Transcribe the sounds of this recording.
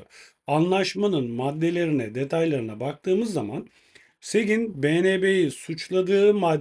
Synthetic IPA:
anlˠaʃmanɯnmad̪ːe̞lʲe̞ɾinɛd̪e̞t̪ʰajlˠaɾɯnabak̚t̪ʰɯːmɯzːama̰n | se̞ɡʲinbeːnebe̞jisut͡ʃlˠad̪ɯːmad̪

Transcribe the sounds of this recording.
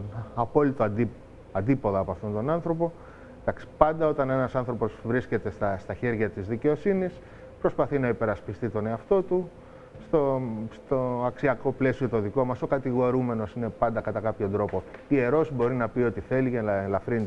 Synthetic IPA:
ɐpo̞lit̪od̪ | ɐnd̪ipo̞ðɐːpoɐft̪o̞nt̪o̞nɐnθɾo̞po̞ | d̪ɐksi̥pɐnd̪ɐo̞t̪ɐne̞nɐsɐnθɾo̞po̞zvɾisce̞t̪e̞st̪ɐst̪ɐçe̞ɾʝɐt̪izðice̞o̞sinis | pɾo̞spɐθinɐipe̞ɾɐspist̪it̪o̞ne̞ɐft̪o̞t̪u | st̪o̞st̪o̞ɐksiɐko̞ple̞sio̞t̪o̞ðiko̞mɐso̞kɐt̪iɣo̞ɾume̞no̞sine̞pɐnd̪ɐkɐt̪ɐkɐpço̞nd̪ɾo̞po̞ie̞ɾo̞sbo̞ɾinɐpio̞t̪iθe̞licelɐfɾin

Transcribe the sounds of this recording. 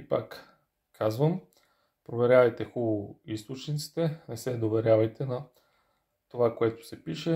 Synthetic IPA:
ipa̰k | kʰazvəm | pɾovɛɾʲavɐjt̪ɛxubist̪ot͡ʃnit̪si̥t̪ɛnɛsɛd̪ovɛɾʲjavɐjt̪ɛnɐ | t̪ovakoɛt̪ʊ̥sɛpiʃɛ

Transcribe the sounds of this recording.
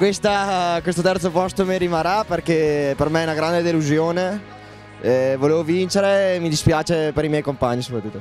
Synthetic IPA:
kwest̪akwest̪ot̪ɛrt̪sopɔst̪omiɾimaraperkepermeɛunaɡɾand̪ed̪eluzjoːne | voleːvovint͡ʃeɾeːmid̪ispjaːt͡ʃepeɾimjɛjkompaɲːisopɾat̪ːut̪ːo

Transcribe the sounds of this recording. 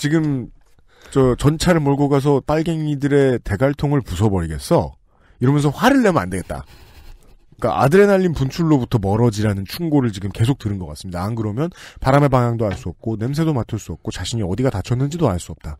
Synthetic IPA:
t͡ɕiɡɯm | t͡ɕʌt͡ɕʌnt͡ɕʰaɾɯɭmʌɭɡoɡas̬ʰʌp͈aɭɡeŋɲidɯɾe̞te̞ɡaɭtʰoŋɯɭpus̬ʰʌbʌɾiɡe̞s͈ʌ | iɾʌmjʌnsʰʌɸwaɾɯɭːemɯnandeɡe̞t̚t͈a̰ | k͈a̰ʔa̰dɯɾe̞naʎːinpunt͡ɕʰuɭːobutʰʌmʌɾʌd͡ʑiɾanɯnt͡ɕʰuŋɡoɾɯɭt͡ɕiɡɯmke̞sʰok̚t͈ɯɾɯnɡʌk͈a̰s͈ɯmɲidankɯɾʌmjʌnpaɾame̞paŋjaŋdoaɭs͈uʌp̚k͈one̞ms̬ʰe̞domatʰɯɭs͈uʌp̚k͈ot͡ɕaɕʰiɲiʌdiɡatat͡ɕʰʌnːɯnd͡ʑidoaɭs͈uʌp̚t͈a

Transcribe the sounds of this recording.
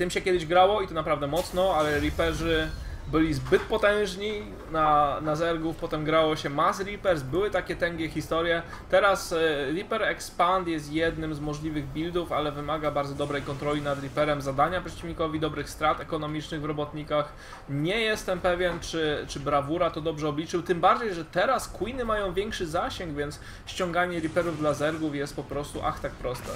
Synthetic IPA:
t̪ɘmɕɛkʲɛd̪ɘʑɡɾawɔit̪ɔnapɾavd̪ɛmɔt̪snɔalɛɾipɛʐɘ | bɘlʲizbɘt̪pɔt̪ɛ̃w̃ʐɲi | nanazɛɾɡufpɔt̪ɛmɡɾawɔɕɛmasɾipɛɾs̬bɘwɘt̪akʲɛt̪ɛŋɡʲɛxʲist̪ɔɾjɛ | t̪ɛɾasɾʲipɛɾɛkspant̪jɛs̬t̪jɛd̪nɘmzmɔʐlʲivɘɣbʲild̪ufalɛvɘmaɡabaɾd̪zɔd̪ɔbɾɛjkɔnt̪ɾɔlʲinad̪ɾʲipɛɾɛmzad̪aɲapʂɛ̥t͡ɕivʲɲikɔvʲid̪ɔbɾɘxst̪ɾat̪ɛkɔnɔmʲit͡ʂnɘɣvɾɔbɔt̪ɲikax | ɲɛjɛst̪ɛmpɛvʲjɛnt͡ʂɘt͡ʂɘbɾavuɾat̪ɔd̪ɔbʐɛɔblʲit͡ʂɘwt̪ɘmbaɾd͡ʑejʐɛt̪ɛɾaskwunɘmajɔ̃w̃vʲjɛŋkʂɘzaɕɛŋɡvʲjɛnt̪s | ɕt͡ɕɔ̃ŋɡaɲɛɾipɛɾuvd̪lazɛɾɡufjɛst̪̚pɔpɾɔst̪uʔa̰xt̪ak̚pɾɔst̪ɛ

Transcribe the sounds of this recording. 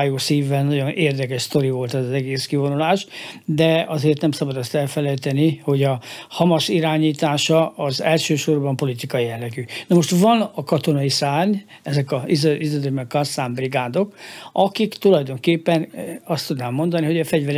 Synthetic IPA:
joːsiːvːɛlnɒɟo̞nʔeːrd̪ɛkɛʃst̪o̞ɾivo̞lt̪ɛzɒzɛɡeːskivo̞nulaːʒd̪ɛɒzeːrt̪nɛmsɒbɒd̪ɛst̪ɛlfɛlɛjt̪ɛniho̞ɟɒhɒmɒʃiɾaːɲiːt̪aːʃɒʔɒzɛlʃøːʃo̞rbɒmpo̞lit̪ikɒjijɛlːɛɡynɒmo̞ʃt̪vɒnɒkɒt̪o̞nɒisaːɲɛzɛkɒizizɔd̪ømɛkːɒrsaːmbriɡaːd̪o̞kʔɒkikt̪ulɒjd̪o̞ŋkeːpːɛnɒst̪ud̪naːmːo̞nd̪ɒniɦo̞ɟɒfɛɟvɛɾ

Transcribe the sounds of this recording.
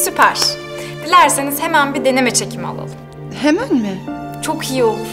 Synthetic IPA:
sypʰæɾ̥ | d̪̥ilʲæɾsiniz̥he̞mænbid̪e̞ne̞mɛt͡ʃʰecʰima̰lˠa̰lˠum | hemænmɪ | t͡ʃʰo̞kʰijiolˠu

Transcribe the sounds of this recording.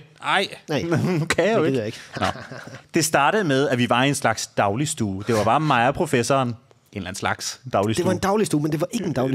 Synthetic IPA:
ɑɪ̰ | kʰæoe̥jɡ̥nɒd̥e̝sd̥ɑ̈ːɾ̥əð̩ˠmeð̞ˠæʋiʋɑ̈e̝nslɑ̈ɡ̥sd̥ɑ̈ʊlisd̥uːd̥e̝ʋɑ̈b̥ɑ̈ːmɑɪɐpʰʁo̝fesɒːn | ʔe̝nlæn̩slɑ̈ɡ̥sd̥ɑ̈ʊlise̝ʋɑ̈e̝nd̥ɑ̈ʊlisd̥uːmend̥e̝ʋɑ̈ʔe̝ɡ̥əend̥ɑʊli

